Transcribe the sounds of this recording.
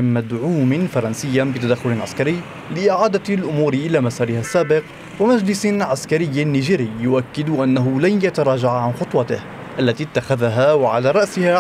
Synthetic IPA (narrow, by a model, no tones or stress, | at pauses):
mːad̪ʕuːmɪfɑɾˤɑnsɪjːabɪt̪ad̪axːʊlɪnʕa̰skaɾɪjː | lɪʔɪʕaːd̪alʔʊmuːɾɪʔɪlaːmasɑːɾɪhasːaːbɪq | wamad͡ʒlɪsʕaskaɾɪjːnːiːʒiːɾɪːjʊʔakːɪd̪ʔanːaɦʊlanjat̪aɾˤɑːd͡ʒaʕaʕanxʊt̪ˤwɑt̪ɪh | ʔalːat̪iːt̪ːaxaðaɦaːwaʕa̰laːɾˤɑʔsɪha